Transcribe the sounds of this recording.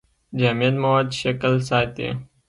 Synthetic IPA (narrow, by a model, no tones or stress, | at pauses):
d͡ʑaːmijət̪mɐwaːd̪ʃɐklsaːt̪ḛ